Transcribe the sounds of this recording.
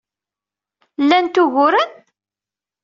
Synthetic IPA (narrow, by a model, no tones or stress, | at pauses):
lːænt̪ʊʝʊɾən